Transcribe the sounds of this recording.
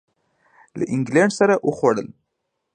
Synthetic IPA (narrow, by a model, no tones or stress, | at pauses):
lə̰ʔɪŋɡlaɳɖsaɾaʔəxwaɽəl